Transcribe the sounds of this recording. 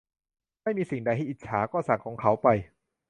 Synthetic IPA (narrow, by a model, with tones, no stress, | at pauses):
ma˥˩jmiː˧si˨˩ŋda˧jɦa˥˩˨ʔi˨˩t̪̚t͡ɕʰaː˩˦kɔː˥˩sa˨˩ŋkʰɔː˩˦ŋkʰa˦˥wpa˧j